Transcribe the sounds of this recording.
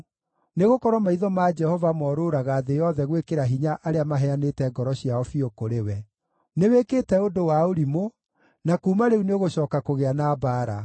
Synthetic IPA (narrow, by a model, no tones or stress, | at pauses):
neɣokɔɾwɔmaiðɔmaːd͡ʒɛhɔvamɔːɾoɾaɣaːðejɔðɛɣwekeɾaɦiɲaʔaɾeamaɦɛanetɛɡɔɾɔɕiaɔfiokoɾewɛ | newekeːtɛodowaoɾimo | nakuːmaɾeuneoɣoɕɔːkakoɣeanaːbaːɾa